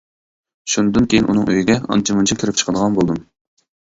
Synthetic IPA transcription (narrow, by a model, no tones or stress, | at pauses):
ʃunɨd̪ɨnkʲʰejinʔṵnɨŋøjiɡʲɛɑ̰nt͡ʃʰimunt͡ʃʰɑkʲʰiɾɪp̚t͡ʃʰə̥qʰəd̪əʁɑnbolˠd̪ɨm